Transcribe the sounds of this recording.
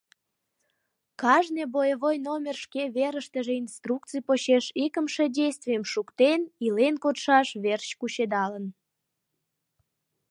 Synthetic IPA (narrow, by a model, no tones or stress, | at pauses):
kɑʒnebojəβojnomʲerʃkeβeɾəʃt̪əʒeinst̪ruk̚t͡sɨjpoɕeʃikəmʃe̽dʲejst̪vʲijəmʃukt̪enilenkot̪ʃɑʃβert͡ɕkuɕed̪ɑlən